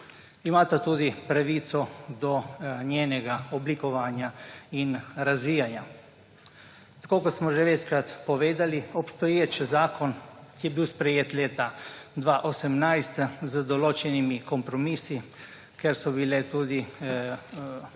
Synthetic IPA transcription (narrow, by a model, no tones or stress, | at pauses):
imaːt̪at̪uːd̪ipɾaʋiːt̪sɔd̪ɔnjeːnɛɡaɔblikɔʋaːnjainɾazʋiːjanja | t̪ḁkoːkosmɔʒɛʋɛt͡ʃkɾat̪pɔʋeːd̪aliɔpst̪ɔjeːt͡ʃzaːkɔnkijɛbiwspɾɛjeːt̪leːt̪ad̪ʋaʔosɛmnajst̪zəd̪ɔloːt͡ʃɛnimikɔmpɾɔmiːsi | kɛɾsɔbilɛt̪uːd̪i